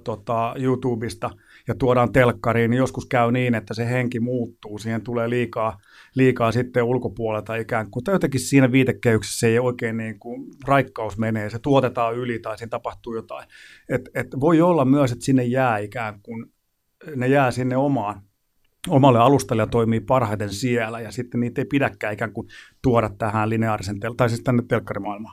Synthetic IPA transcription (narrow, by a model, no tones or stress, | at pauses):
t̪ot̪ɑjuːt̪uːbist̪ɑ | jɑt̪uoɾɑːnt̪elkːɑriːnnijoskuskæyniːnet̪ːæseheŋkimuːt̪ːuːsiːhent̪uleːliːkɑː | liːkɑːsit̪ːeulkopuolelt̪ɑikæːŋkmuut̪ːɑjot̪ekissiːnæʋiːt̪ekːehykse̥sːeijoikeːnniːŋkurɑikːɑusmeneːset̪uot̪et̪ɑːylit̪ɑisint̪ɑpɑht̪uːjot̪ɑi | et̪et̪ʋoiolːɑmmyøset̪sinːejjæːikæːŋkkun | nejæːsinːeomɑːn | omɑlːeɑlust̪elːejɑt̪oimiːpɑrhɑit̪ensiælæjɑsit̪ːenniːt̪ːeipidækːæːikæːŋkunt̪uɔɾɑt̪t̪æhæːnlineɑrisent̪elt̪ɑisistt̪ænːet̪t̪elkːɑrimɑilmɑː